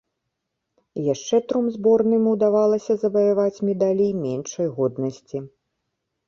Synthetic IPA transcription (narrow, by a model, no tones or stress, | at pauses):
jaʂt͡ʂɛt̪ɾumzbɔrnɨmuwd̪avalˠɐsʲɐzɐbɐjavat͡sʲmʲɛd̪alʲimʲɛnʂɐjɣɔd̪nɐsʲt͡sʲi